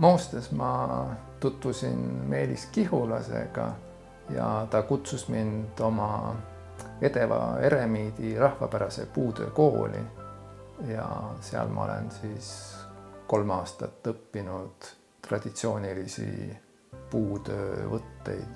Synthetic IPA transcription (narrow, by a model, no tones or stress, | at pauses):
mo̞ːst̪esmɑt̪ut̪vusinme̞ːliskiɦulɑse̞̰ɡ̥ɑ | jɑt̪ɑkut̪susmind̪̥o̞mɑ | e̞t̪e̞vɑe̞ɾe̞miːd̪̥irɑhvɑpæɾɑse̞puːt̪ø̞̰ːko̞ːlʔḭ | jɑseɑ̰lmʔɑ̰ole̞̰nsiːs | ko̞lmɑːst̪ɑt̪ːɤpːinud̪̥ | rɑd̪̥it̪sio̞ːnʲilisḭ | puːt̪ø̞ːvɤt̪ːe̞jd̪̥